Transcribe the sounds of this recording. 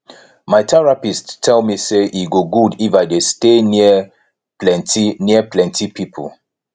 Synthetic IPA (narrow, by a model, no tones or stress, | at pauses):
maɪtʰɛɹapisttʰːɛlˠmiseʔiɡoɡudifaɪdesteni | lɛntiniəplɛ̃ntipipʰəl